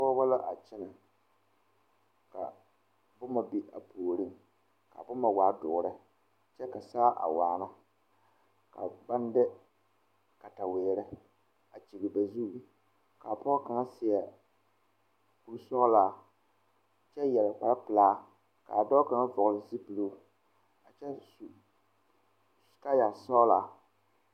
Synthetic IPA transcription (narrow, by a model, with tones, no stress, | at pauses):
pɔ˦ba˦la˦ʔa˨t͡ʃɛ˦na˨ | ka̰˨ | bʊ˦ma˨bi˦ʔa̰˨poː˨ɾi˦˨ŋ | ka̰˨bʊ˦ma˨waː˦dʊ˨ɾɨ˦ | t͡ʃɛ˦ka˨saː˦ʔa̰˨waː˨na˦ | ka̰˨ba˦n˦dɪ˦ | ka˨ta˨wɛː˨ɾɪ˦ | a˨t͡ʃi˨ɡɪ˨ba˨zu˦˨ | ka˨pɔ˦ka˨ŋa˦sɪ˨ɛ˨ | pu˨ɾsɔ˦laː˨ | t͡ʃɛ˦jɛ˨la˨k͡pa˨la˦pɨ˨laː˦ | ka̰˨dɔ˦ka˨ŋa˦vɔ˨ʊ˨lɪ˨zi˦pɨ˨luː˦ | a˨t͡ʃɛ˦˨ | ka˦ja˨sɔ˦laː˦